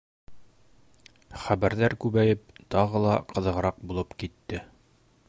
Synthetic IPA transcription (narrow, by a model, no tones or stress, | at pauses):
χæbæɾðæɾkʉβæjɘp̚t̪ɒʁɤlˠɑqɤ̆ðɤ̆ʁɤ̆ɾɑq̚bulˠɤpkit̪ːɘ